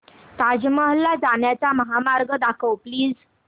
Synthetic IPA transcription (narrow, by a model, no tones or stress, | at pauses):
t̪ad͡ʑməɦlad͡zaɳjat͡saməɦamaɾɡəd̪akʰəwpliːd͡z